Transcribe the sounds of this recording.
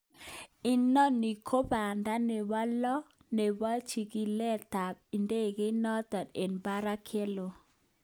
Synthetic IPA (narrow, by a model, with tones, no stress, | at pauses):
ɪ˦nɔ˦ni˨kʰo˦ba˨nda˦ne˨wa˦lɔ˦ | ne˨wa˦t͡ʃi˨ɡi˨˦lɛ˦ta˨p̚i˨nde˦˨ɡɪ˦nɔ˦t̪a˨de˨nba˦ɾa˦kʰe˦lo˨